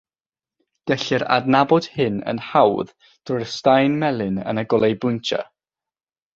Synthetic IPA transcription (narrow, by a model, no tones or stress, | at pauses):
d̥ɛɬɨɾa̰dnabɔd̥hɨnə̰nhawð | d̥rʊstajnmɛlˠɨnə̰nəɡɔlˠejbʊntʰa̰